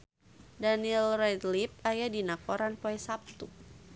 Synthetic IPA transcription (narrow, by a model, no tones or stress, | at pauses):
danilrɛdlip̚ajadinakoɾanpoɛsap̚t̪u